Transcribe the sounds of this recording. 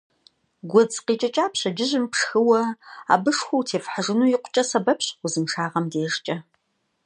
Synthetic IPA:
ɡʷɔd͡zqiːt͡ʃʼɐt͡ʃʼaːpɕɐd͡ʒɪʑɪmpʂxɨwɐa̰ːbɨʂxʷʊwtʰeːfħaʒɨnuːjɪqʷʊ̥t͡ʃʼɐsɐbɐpɕʷʊzɨmʂaːʁɐmdeːʂt͡ʃʼɐ

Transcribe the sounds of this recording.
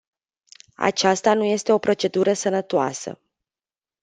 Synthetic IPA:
a̰t͡ʃast̪anuje̞st̪e̞o̞pɾo̞t͡ʃe̞d̪uɾəsənət̪oasə̰

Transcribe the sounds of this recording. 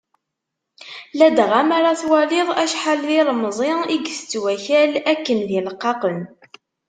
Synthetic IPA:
læd̪ʁamaɾˤɑθwɑlɪðˤæʃħalːilmzˤɪiɡst͡sːwæçælækːənðiləqːɑqən

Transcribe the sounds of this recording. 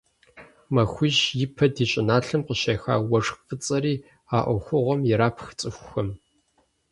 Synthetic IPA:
mɐxʷʊʒʑjɪpʰɐdiːɕʼɪnaːɬɨmqəɕɐːxa̰ːwɔʂxfɨt͡sʼɐɾiː | aːʔʷɔxʷʊʁʷɔmjɪɾaːpʰxt͡sʼɨxʷʊxɐm

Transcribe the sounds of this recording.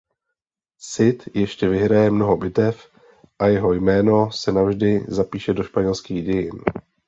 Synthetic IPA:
sɪt̪jɛʃcɛvɪɦɾajɛmno̞ɦo̞bɪt̪ɛf | ʔajɛɦo̞jmɛːno̞sɛnavʒdɪzapiːʃɛdo̞ʃpaɲɛlskiːɣɟɛjɪn

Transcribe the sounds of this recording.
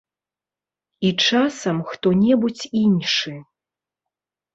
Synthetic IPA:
it͡ʂasɐmxt̪ɔnʲɛbut͡sʲinʂɨ

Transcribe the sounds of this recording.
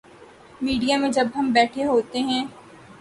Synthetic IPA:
miːɖijamẽd͡ʒɐbɦɐmbɛːʈʰeɦoːt̪eɦɛ̃ː

